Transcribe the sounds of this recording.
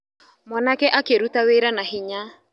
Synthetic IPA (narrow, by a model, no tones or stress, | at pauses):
mwanakɛʔakeɾutaweɾanaɦiɲa